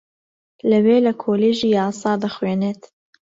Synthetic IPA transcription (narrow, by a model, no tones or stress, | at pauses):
lɐweːlɐkʰoːleːʒiːjɑːsˤɑːd̪ɐxweːneːt̪